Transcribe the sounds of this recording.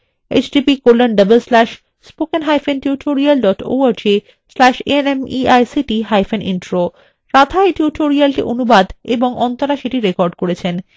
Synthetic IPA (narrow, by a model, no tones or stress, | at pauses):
ḛt͡ɕɖipikolːanɖəbelslɛʃ | spokenɦajfʰentuʈʰoɾialɖɔʈo̰aɾd͡ʑe | slɛʃḛnemiajsiʈiɦajfenʔḭnʈɾo | ɾat̪ʰaeʈjuʈʰoɾialʈḭʔonubad̪eboŋɔnt̪aɾaʃeʈiɾekɔɾɖkoɾet͡ɕʰen